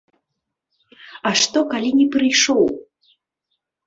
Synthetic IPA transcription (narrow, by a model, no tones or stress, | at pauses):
ɐʂt̪ɔkalʲinʲɛpɾɨjʂɔw